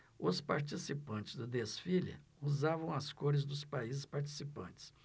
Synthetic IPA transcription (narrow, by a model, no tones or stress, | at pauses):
ʊspaɾt͡ʃisipɐ̃nt͡ʃɪzd̪ʊd̪esfilɪ̰uzavɐ̃w̃ɐskoɾɪzd̪ʊspaizɪspaɾt͡ʃi̥sipɐ̰̃nt͡ʃɪ̥s